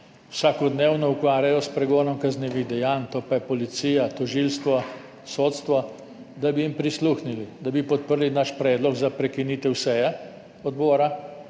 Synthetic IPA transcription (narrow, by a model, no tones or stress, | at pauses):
w̥saːkɔd̪neːwnɔukʋaːɾʲjajɔspɾɛɡoːnɔmkazneːʋiɣd̪ɛjaːnt̪opajɛpɔlit̪siːjat̪ɔʒiːlst̪ʋɔ | soːt̪st̪ʋɔ | d̪abijimpɾisluːxnilid̪abipɔt̪̚pəɾlinaʃpɾɛːd̪lɔɡzapɾɛkiniːt̪ɛwsɛjɛ | ɔd̪bɔːɾa